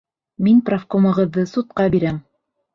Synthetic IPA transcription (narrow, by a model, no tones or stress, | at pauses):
minprafkomɤ̆ʁɤ̆ðːɤsut̪̚qɑbiɾæm